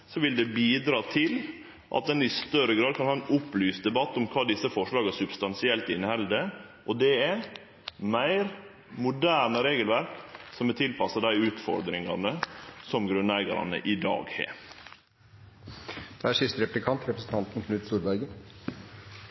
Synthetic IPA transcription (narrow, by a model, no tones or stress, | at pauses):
sɔʋɪld̪ɛbiːd̪ɾɑːt̪ʰɪl | ʔɑ̰t̪̚d̪ɛnɪst̪œɾəɡɾɑːd̪kʰɑnhɑːɛnʊplyːsd̪ɛbɑt̪ːʊmkʰɑːd̪ɪsːəfɔʂɭɑːɡəsʉbst̪ɑnsɪɛlt̪ɪnhɛld̪əʔɔd̪ɛæɾ | mæɪɾ | mʊd̪æːɾɳəɾeːɡəlʋæɾksɔmɛt̪ʰɪlpɑsːɑd̪æɪʉːt̪fɔ̰ɾd̪ɾɪŋɑ̰nəsɔmɡɾʉnæɪɡɑ̰ɾɑ̰nə̰ʔɪd̪ɑ̰ːɡhḛː | d̪̥ɛæʂʏst̪ɾɛplɪkʰɑnt̪ɾɛpɾəsn̩t̪ʰɑnt̪n̩kʰnʉːt̪st̪uːɾbæɾɡən